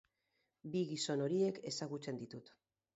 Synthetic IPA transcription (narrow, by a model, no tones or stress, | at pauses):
biɣiso̞no̞ɾie̞ke̞saɣut͡se̞nd̪it̪ut̪